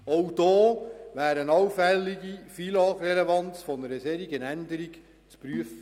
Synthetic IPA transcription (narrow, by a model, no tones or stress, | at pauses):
owd̥ɑːʋæːɾənɑwfɛlːiɡifilɑːχrɛlevɑnt͡sfɔnəɾəseːɾiɡənænd̪əɾik | t͡spɾyəfə